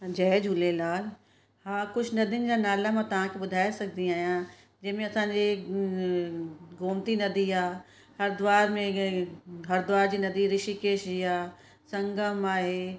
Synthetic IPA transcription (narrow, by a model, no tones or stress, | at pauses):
d͡ʑɛːd͡ʑʱʊlelaːl | hãːkʊt͡ʃʰnɐd̪ʱiənɪ̆d͡ʑaːnaːlamãt̪ɐʋ̤ãkʰeɓʊd̪ʱaːesɐkʰnd̪iaːɦijã | d͡ʑɐ̃ɦmẽɐsãːɲd͡ʑi | ɡoːmt̪inɐd̪ʱiaː | hɐɾd̪ʊʋaːɾmẽ | ɦɐɾd̪ʊʋaːɾd͡ʑiːnɐd̪ʱiɾɪʃikeːʃd͡ʑiaː | sɐ̃ŋɡəmaːɦeː